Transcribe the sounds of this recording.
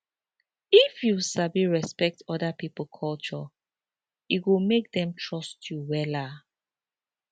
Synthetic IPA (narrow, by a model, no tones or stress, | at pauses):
ifjusabiɹɛspɛk̚tɔdapipl̩kʰɔlt͡ʃɔ | itwumek̚dɛ̃mtʰɹɔstʰjuwɛla